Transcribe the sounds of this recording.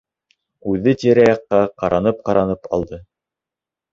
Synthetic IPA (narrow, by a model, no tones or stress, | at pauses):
ʉðɘt̪iɾæjɑqːɑqɑɾʔɑnɤp̚qɑɾɑnɤpɑ̰lˠd̪ɤ